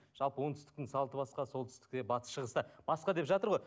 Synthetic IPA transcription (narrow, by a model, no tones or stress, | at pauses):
ʒ̥ɑlˠpəwo̞nt̪ʰʏ̥st̪ɪk̚t̪ɪŋsɑlˠt̪əbɑsqɑso̞lˠt̪ʏ̥st̪ɪ̥k̚t̪e̞bɑt̪ə̥sʃəʁəst̪ɑb̥ɑsqɑd̪e̞pʒɑt̪əɾʁo̞j